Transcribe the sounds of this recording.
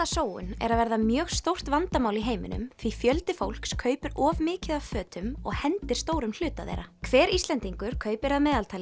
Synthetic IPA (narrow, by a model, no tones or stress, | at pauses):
asoːwʏ̰nɛ̰ɾaðvɛɾðamjœːɣst̪owr̥t̪vant̪amaːwliɦeːjmɪ̰nʏ̰mθifjœlt̪ɪfowl̥kskʰœːɥpʏɾʔɔvmɪːcɪðafœːt̪ʏmɔ̰ɣhɛnt̪ɪɾ̥st̪oːwɾʏml̥ʏːt̪aðḛjɾakʰvɛːɾist̪lɛnt̪iŋkʏɾ̥kʰœːɥpɪɾaðmɛːðalt̪ʰajlɪ